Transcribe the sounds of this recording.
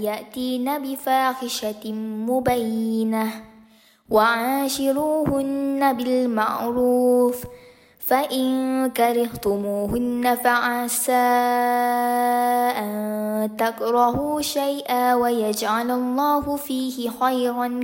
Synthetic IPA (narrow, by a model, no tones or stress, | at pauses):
jaʔt̪iːnabɪfaːxɪʃamʊbajːɪna | waʕaːʃɪɾuːhʊnːabɪlma̰ʕɾuːf | faʔɪnkaɾɪht̪ʊmuːɦʊnːafaʕasaː | ʔant̪akɾˤɑhuːʃajʔaːwajad͡ʒʕalalˤːɑːhʊfiːhɪxajɾɑn